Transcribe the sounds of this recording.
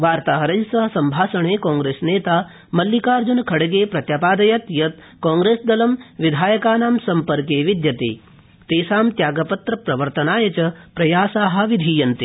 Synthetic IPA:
ʋaːɾt̪aːɦɐɾɐjsɐɦɐ̆sɐmbʱaːsɐɳeːkãːŋɡɾeːsneːt̪aː | mɐlːjikaːɾd͡ʒunkʰɐɽɐɡeːpɾɐt̪jaːpaːd̪ɐjɐt̪jɐt̪ | kaːŋɡɾeːsd̪ɐlɐmʋid̪ʱaːjɐkaːnaːmsɐmpɐɾkeːʋid̪jɐt̪ḛː | t̪eːsaːmt̪jaːɡɐpɐt̪ɾɐpɾɐʋɐɾt̪ɐnaːjɐt͡ʃɐpɾɐjaːsaːɦɐ̆ʋid̪ʱiːjɐnt̪e

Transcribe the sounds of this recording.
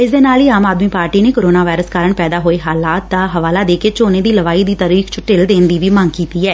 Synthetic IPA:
ɪsd̪eːnaːliːaːmaːd̪miːpaːɾʈiːneːkoːɾoːnaːʋaːɪɾəskaːɾəɳpɛːd̪aːɦoːeːɦaːlaːt̪̚ːaːɦəʋaːlaːd̪eːkeːt͡ʃoːneːd̪iːləʋaːiːd̪iːt̪aːɾiːkʰt͡ʃʊʈɪld̪eːnd̪iːʋiːmãŋɡkiːt̪iːɛː

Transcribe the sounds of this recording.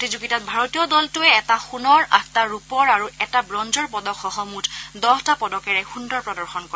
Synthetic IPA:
otizuɡitat̚bʱaɹotijɔdɔltʊɛɛtaxunɔɹʔa̰k̚taɹupɔɹaɹuɛtabɹɔnzɔɹpɔdɔkxɔɦɔmutdɔɦɔtapɔdɔkɛɹɛxundɔɹpɹɔdɔɹxɔnkɔ

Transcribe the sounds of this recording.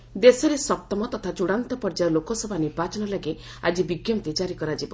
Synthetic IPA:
d̪esɔɾesɔp̚t̪ɔmɔt̪ɔt̪ʰat͡ʃuɽ̃ant̪ɔpɔɾd͡ʒaɾlokɔsɔbʱaniɾbat͡ʃɔnɔlaɡe | ad͡ʒibiɡjɔmt̪ed͡ʒaɾikɔɾad͡ʒibɔ

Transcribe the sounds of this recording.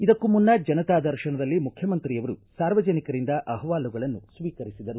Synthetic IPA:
id̪ɐkːumunːɐd͡ʒɐnɐt̪aːd̪ɐɾʃɐɳɐd̪ɐlːimukʰjɐmɐnt̪ɾijɐʋɐɾusaːɾʋɐd͡ʒɐnikɐɾind̪ɐʔɐɦɐʋaːluɡɐɭɐnːusʋiːkɐɾisid̪ɐɾu

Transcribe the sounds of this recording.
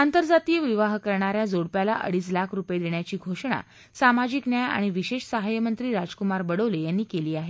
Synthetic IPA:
ant̪əɾd͡zat̪iːjəʋiʋaɦkəɾɳaɾjad͡zoɽpjalaʔə̰ɽiːslakʰɾupjed̪eɳjat͡ɕiːɡʱoʂɳa̰ | samad͡ʑiknjaja̰ɽ̃iʋiɕeʂsəɦajəmənt̪ɾiːɾad͡zkumaɾbəɽəʋlejanːiːkeliːaɦe

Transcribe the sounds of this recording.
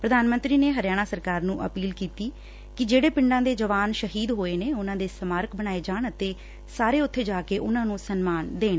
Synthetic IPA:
pɾəd̪aːnmə̃nt̪ɾiːneːɦəɾjaːɽ̃aːsəɾkaːɾnũːʔə̰piːlkiːt̪iː | kɪd͡ʒeːɽeːpɪ̃ɳɖãːd̪eːd͡ʒəʋaːnʃəɦiːd̪ɦoːeːneːʊnãːd̪eːsəmaːɾkbəɽ̃aːed͡ʒaːɳət̪eː | saːɾeːʊt̪ʰːeːd͡ʒaːkeːʔʊnãːnũːsənmaːnd̪eːn

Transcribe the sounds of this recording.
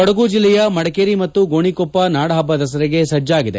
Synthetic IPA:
ɔɽɐɡuːd͡ʒilːɛjɐmɐɽɐkeːɾimɐt̪ːuɡoːɳikoːpːɐnaːɽɐɦɐbːɐd̪ɐs̬ɐɾeɡe̞sɐd͡ʒaːɡid̪ḛ

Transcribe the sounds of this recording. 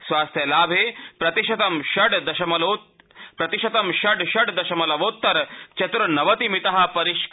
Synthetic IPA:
sʋaːst̪ʰjɐlaːbʱeːpɾɐt̪iʃɐt̪ɐmʃɐɖd̪ɐʃɐmɐloː | pɾɐt̪iʃɐt̪ɐmʃɐɖʃɐɖd̪ɐʃɐmɐlɐʋoːt̪ːɐɾt͡ʃɐt̪ɾɐnɐʋɐt̪imit̪ɐɦɐ̆pɐɾiʃk

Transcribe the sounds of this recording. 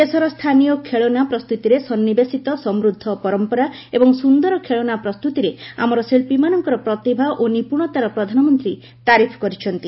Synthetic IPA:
esɔɾɔst̪ʰanijɔkʰeɭonapɾɔst̪ut̪iɾesɔnːibesit̪ɔsɔmɾud̪ʱːɔpɔɾɔmpɔɾa | ebɔŋsund̪ɔɾɔkʰeɭonapɾɔst̪ut̪iɾea̰mɔɾɔselpimanɔŋkɔɾɔpɾɔt̪ibʱaʔonipuɽ̃ɔt̪aɾɔpɾɔd̪ʱanɔmɔnt̪ɾi | t̪aɾipʰkɔɾit͡ʃʰɔnt̪i

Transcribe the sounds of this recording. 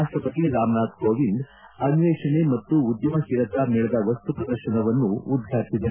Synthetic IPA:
aʂʈɾɐpɐt̪iɾaːmnaːd̪koːʋind̪ | ɐniʋeːʂɐɳemɐt̪ːuːd̪jɐmɐɦiɾɐt̪amɛːɭɐd̪ɐʋɐst̪upɐd̪ɐɾʃɐɳɐʋɐnːuːd̪ʱɡaːsid̪ɐ

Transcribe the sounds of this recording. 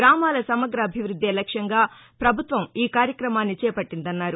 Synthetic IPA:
ɾaːmaːlɐsɐmɐɡɾɐːbʱiʋɾud̪ʱːeːlɐkʂɐŋɡaː | pɾɐbʱut̪ʋɐmiːkaːɾjɐkɾɐmaːnːit͡ʃɛːpɐʈːind̪ɐnːaːɾu

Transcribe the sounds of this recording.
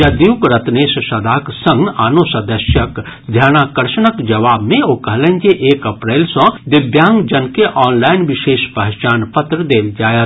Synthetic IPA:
jad̪iwkɾɐt̪neːʃsɐd̪ʱaːksɐ̃ŋɡaːnoːsɐd̪əʃjək | d̪ʱjaːnaːkɐɾʃənəkd͡ʒɐʋaːbmẽokɐɦlẽːnd͡ʒeʔeːkɐpɾeːlsɔ̃d̪ɪbjãːŋɡd͡ʒɐnkeʔɔːnlaːɪnʋɪʃeːʃpɐɦt͡ʃaːnpɐt̪ɾəd̪eːld͡ʒaːjə

